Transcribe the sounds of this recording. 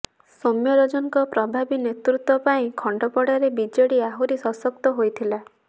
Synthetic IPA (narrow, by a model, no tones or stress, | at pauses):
somjɔɾɔd͡ʒɔŋkɔpɾɔbʱabinet̪ɾut̪wɔpaĩkʰɔɳɖɔpɔɽaɾebid͡ʒɔɽiaɦuɾisɔsɔkt̪ɔɦojt̪ʰila